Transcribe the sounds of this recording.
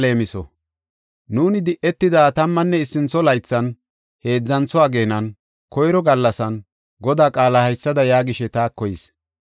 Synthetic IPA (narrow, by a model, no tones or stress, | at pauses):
le̞ːmɪsɔ̰ | nuːnɪd̪ɪʔːɛt̪ːɪd̪aːt̪ɐmːɐnːɛɪsːɪnt͡sːɔlɐjt͡sːɐn | he̞ːd͡zːɐnt͡sɔaːɡe̞ːnɐn | kɔjɾɔɡɐlːɐsɐn | ɡɔd̪aːkʼaːlahɐjsːɐd̪ɐjaːɡɪʃɛt̪aːkːɔjɪs